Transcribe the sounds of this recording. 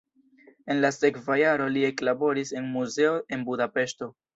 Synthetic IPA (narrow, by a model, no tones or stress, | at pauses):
e̞nlase̞kvajaɾo̞lie̞klabo̞ɾise̞nmuze̞o̞ʔe̞nbudape̞ʃto̞